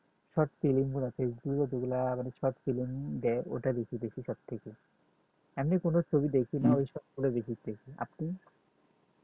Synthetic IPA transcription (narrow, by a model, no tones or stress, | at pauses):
ʃɔʈfilimbulafesbukɔt̪oɡulamanet͡ɕʰɔʈfilimd̪ɛeʔo̰ʈad̪ekʰid̪ekʰiʃɔb̚t̪ʰeke | amnikonot͡ɕʰobid̪ekʰinaojʃɔʈɡulad̪ekit̪t̪ekʰia̰pni